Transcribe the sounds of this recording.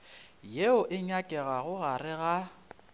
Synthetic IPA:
jeʊʔɪɲakʼɛɣaɣʊɣarɪɣa

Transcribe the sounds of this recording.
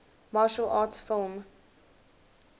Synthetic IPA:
mɑːʃəlʔɑːtsfɪlˠm

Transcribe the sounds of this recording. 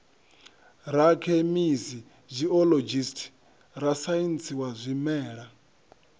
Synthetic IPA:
ɾakʰɛmizi | zʷiɔlod͡ʒistʰi̥ | ɾasajint͡sʰiwazʷimɛːɺa

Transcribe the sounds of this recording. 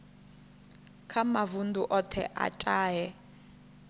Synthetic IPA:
kʰamavunduʔɔtʰɛ̰ʔa̰tʼaːjɛ

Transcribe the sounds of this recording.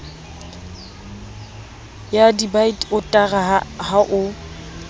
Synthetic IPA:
jadibaitʼʊtʼaɣahaʔʊ

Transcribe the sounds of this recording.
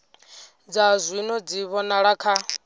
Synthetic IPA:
d͡zazʷwinɔd͡ziβɔnaɺakʰa

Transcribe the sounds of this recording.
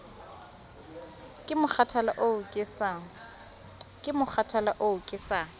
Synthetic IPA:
kʼɪmʊk͡xʰatʰalaʔoʊkʼɪsa | kʼɪmʊk͡xʰatʰalaʔoʊkʼɪsaːŋ̩

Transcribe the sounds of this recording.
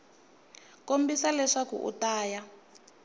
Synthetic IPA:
kombisalɛʂakṵʔṵtaːja

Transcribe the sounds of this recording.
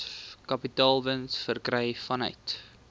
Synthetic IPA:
kɐpitɑːlˠvənsfərkrɛjfɐnœ̰jt

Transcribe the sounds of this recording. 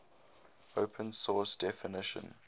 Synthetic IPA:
oʊpʰə̃nsɔsd̥ɛfɪnɪʃə̰̃n

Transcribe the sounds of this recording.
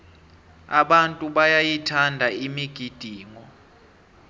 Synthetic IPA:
a̰ɓantʼuɓajajitʰandʱaimiɡ̥ʱid̥ʱiːŋɔ

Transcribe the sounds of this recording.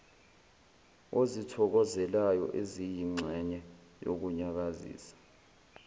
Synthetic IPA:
ozitʰɔk̬ɔzɛlajɔ̰ʔezijiŋ͡ǀʱɛɲɛ | jo̰k̬uɲak̬azḭːsḁ

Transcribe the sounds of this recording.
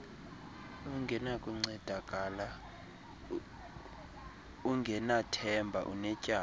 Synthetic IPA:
uŋɡʱɛnakʼuŋ͡ǀɛd̥ʱakʼala | uŋɡʱɛnatʰɛmbʱaʔṵnɛcʼaː

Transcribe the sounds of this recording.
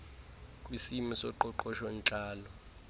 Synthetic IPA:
kʼwisimisɔǃɔǃɔʃɔnt͡ɬʼaːlɔ

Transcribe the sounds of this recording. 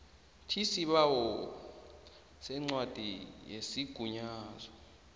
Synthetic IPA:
tʰisiɓawɔ | sɛŋ͡ǀwad̥ʱijesiɡ̥ʱuɲaːzɔ

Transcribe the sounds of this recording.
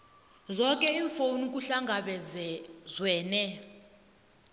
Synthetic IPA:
zɔkʼɛiɱfonuk̬ʼuɬaŋɡʱaɓɛɛzwɛːnɛ

